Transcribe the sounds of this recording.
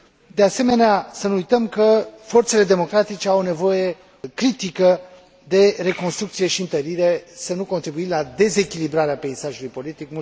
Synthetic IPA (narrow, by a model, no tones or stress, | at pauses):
d̪ease̞me̞neasənuujt̪əmkəfo̞rt̪se̞le̞d̪e̞mo̞kɾat̪it͡ʃeawne̞vo̞je̞ | kɾit̪ikə | d̪e̞ɾe̞ko̞nst̪ɾukt̪sije̞ʃiɨnt̪əɾiɾe̞sənuko̞nt̪ɾibuimlad̪e̞ze̞kʲilibɾaɾeape̞isaʒulujpo̞lit̪ikmu